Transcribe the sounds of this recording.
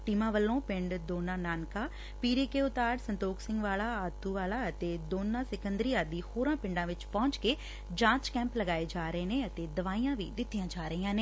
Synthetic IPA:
ʈiːmãːʋəlːõːpɪ̃ɳɖd̪oːnãːnaːnkaː | piːɾeːkeːʊt̪aːɖsənt̪oːksɪ̃ŋɡʋaːlaːat̪ːuːʋaːlaːət̪eːd̪oːnːãːsɪkənd̪ɾiːãːd̪iːhoːɾãːpɪ̃ɳɖãːʋɪt͡ʃpɔ̃ːɲt͡ʃkeː | d͡ʒãːt͡ʃkɛ̃ːmpləɡaːeːd͡ʒaːɾəeːneːət̪eːd̪əʋaːiːãːʋḭːd̪ɪt̪ːijãːd͡ʒaːɾəiːãːneː

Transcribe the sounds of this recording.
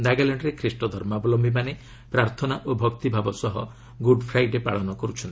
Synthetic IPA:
d̪aɡalaɳɖɾekʰɾisʈɔd̪ʱɔɾmabɔlɔmbʱimane | pɾaɾt̪ʰɔnaʔobʱɔkt̪ibʱabɔsɔɦɔ | ɡuɖpʰɾajʈepaɭɔnɔkɔɾut͡ʃʰɔnt̪i̥

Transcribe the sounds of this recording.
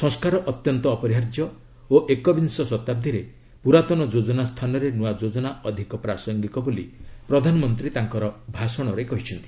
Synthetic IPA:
sɔ̃ŋskaɾɔʔɔt̪jɔnt̪ɔːpɔɾiɦaɾd͡ʒjɔ | oʔekɔbinsɔsɔt̪ab̚d̪ʱiɾe | puɾat̪ɔnɔd͡ʒod͡ʒɔnast̪ʰanɔɾenuwad͡ʒod͡ʒɔnaʔɔd̪ʱikɔpɾasɔŋɡik̪ɔbolḭpɾɔd̪ʱanɔmɔnt̪ɾit̪aŋkɔɾɔbʱasɔɽ̃ɔɾejkɔɦit͡ʃʰɔnt̪i̥

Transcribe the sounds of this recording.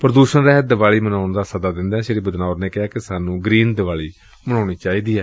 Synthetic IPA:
pəɾəd̪uːʃənɾɛɦd̪əʋaːɭiːmənaːʊɳd̪aːsəd̪aːd̪ɪ̃nd̪ɛ̃ːʃeːɾiːbəd̪naːʊɾnẽːkɪɦaːkɪsaːnũːɡɾiːnd̪əʋaːɭiː | məɳaːɽiːt͡ʃaːiːd̪iːɛː

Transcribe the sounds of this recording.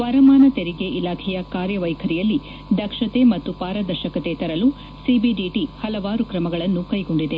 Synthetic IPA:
ʋɐɾɐmaːnɐt̪eɾiɡe̞ʔilaːkʰɛjɐkaːɾjɐʋɐjkʰɐɾijɐlːi | d̪ɐkʂɐt̪e̞mɐt̪ːupaːɾɐd̪ɐɾʃɐkɐt̪et̪ɐɾɐlu | sibiɖiʈihɐlɐʋaːɾukɾɐmɐɡɐɭɐnːukɐjɡo̞ɳɖid̪e

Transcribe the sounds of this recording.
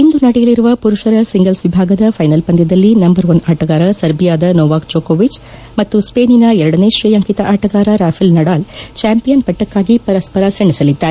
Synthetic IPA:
ind̪unɐɽɛjɐliɾuʋɐpuɾuʂɐɾɐsiŋɡɐlsʋibʱaːɡɐd̪ɐfʰɐjnɐlpɐnd̪jɐd̪ɐlːinɐmbɐɾʋɐnaːʈɐɡaːɾɐsɐɾbijaːd̪ɐnoːʋaːkd͡ʒoːkoːʋit͡ʃ | mɐt̪ːuspeːninɐɛɾɐɽɐneʃɾijɐŋkit̪ɐʔaːʈɐɡaːɾɐɾaːfʰilnɐɽaːlt͡ʃaːmpijɐnpɐʈːɐkːaːɡipɐɾɐspɐɾɐsɐɳːisɐlid̪ːaːɾe

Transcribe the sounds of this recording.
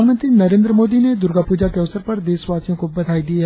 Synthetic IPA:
amə̃nt̪ɾinɐɾẽːnd̪ɾəmoːd̪ined̪ʊɾɡapuːd͡ʒakeɐʋsəɾpɐɾd̪eːsʋaːt͡ʃjõkobɐt̪aːid̪ia

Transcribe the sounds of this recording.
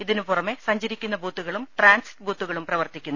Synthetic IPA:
iðinupurɐmesɐɲd͡ʑɐɾikʲːunːɐbʱuːt̪ːuɣɐɭumʈraːnsi̥ʈːbʱuːt̪ːuɣɐɭumprɐʋɐrt̪ikʲːunː

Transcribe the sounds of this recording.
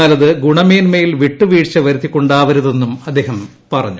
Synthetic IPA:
ɐlɐðɨɡuɳɐmeːnmejilʋiʈːuʋiːʈɕɐʋɐɾut̪ːikːo̞ɳɖaːʋɐɾuðe̞nːumɐd̪ːe̞ːɦɐm | pɐrɐ̰ɲːu

